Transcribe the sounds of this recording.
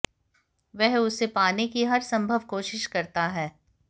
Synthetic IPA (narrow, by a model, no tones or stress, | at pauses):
ʋɛɦʊsːepaːnekiɦɐɾsɐ̃mbʱəʋkoːʃɪʃkɐɾt̪aɦɛː